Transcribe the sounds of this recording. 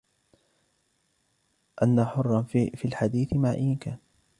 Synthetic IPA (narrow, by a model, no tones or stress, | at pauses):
ʔanːaħʊrˤːɑnfiːlħad̪iːθɪmaʕʔɪkaːn